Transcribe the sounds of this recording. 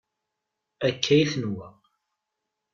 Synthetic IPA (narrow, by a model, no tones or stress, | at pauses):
ækʰːæjθənwæ